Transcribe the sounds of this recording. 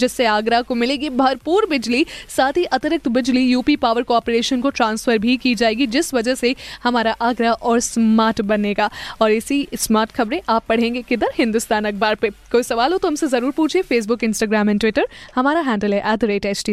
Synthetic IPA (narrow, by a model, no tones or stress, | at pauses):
d͡ʒɪsːeaːɡɾakomɪlẽːɡibʱɐɾpuːɾbɪd͡ʒlisaːt̪ʰɦiʔɐt̪əɾɪk̚t̪bɪd͡ʒlijuːpipaːʋəɾkɔːɾpɾeːʃənkoʈɾãːnsfəɾbʱikiːd͡ʒaːeːɡid͡ʒɪsʋɐd͡ʒəsehɐmaːɾaʔaːɡɾaʔɔːɾsmaːɾʈbɐnːeːɡaːɔːɾɪsismaːɾʈxɐbɾẽʔaːpːɐɽ̤ẽːŋɡekɪd̪əɾɦɪ̃nd̪ʊst̪aːnɐk̚baːɾpekoːisɐʋaːlɦõt̪oɦɐmsezɐɾuːɾpuːt͡ʃʰiefeːs̬bʊkɪ̃nsʈaːɡɾaːmɛnʈʋɪʈəɾhɐmaːɾaɦɛ̃ːɳɖəlɦɛʔɛːd̪ɾeːʈɛːt͡ʃʈiː